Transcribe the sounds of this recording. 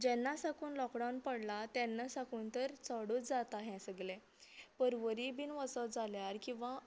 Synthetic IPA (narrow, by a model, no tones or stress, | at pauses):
d͡ʑɛ̃nːasakuːnlɔkɽawnpəɽlat̪jɛ̃nːasakuːnt̪əɾt͡səɽuːt͡sd͡zat̪aɦɛ̃səɡlɛ̃ | pəɾʋəɾibiːnʋəsɔd͡zaljaɾkĩw̃ʋa